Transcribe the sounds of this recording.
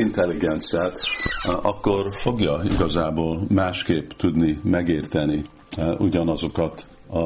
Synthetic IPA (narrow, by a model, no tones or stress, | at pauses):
int̪ɛlːiɡɛnt̪siaːt̪ɒkːo̞rfo̞ɡjɒḭɡɒzaːboːlmaːʃkeːpt̪ud̪nimɛɡeːrt̪ɛni | uɟɒnɒzo̞kɒt̪ | ɒ